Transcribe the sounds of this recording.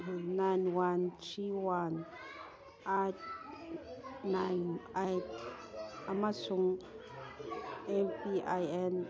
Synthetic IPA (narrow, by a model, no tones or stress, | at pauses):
najnwant͡ʃiwan | ʔat | najnajt | amasuŋ | ɛnpiʔajɛn